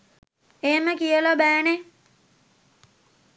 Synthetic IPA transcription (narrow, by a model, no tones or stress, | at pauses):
eːməkijəlabæːne